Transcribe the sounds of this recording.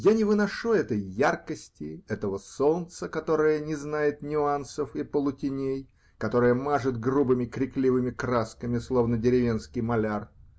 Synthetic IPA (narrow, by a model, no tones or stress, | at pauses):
janʲɪvɨnɐʂuɛt̪əjːarkəsʲtʲɪɛt̪əvəso̞nt̪səkɐt̪o̞ɾəjənʲɪznajɪt̪nʲʊansəfɪpəlˠʊtʲɪnʲej | kɐt̪o̞ɾɨjəmaʐɨt̪ɡrubɨmʲɪkɾʲɪklʲivɨmʲɪkɾaskəmʲɪslˠo̞vnədʲɪɾʲɪvʲe̞nskʲɪjmɐlʲar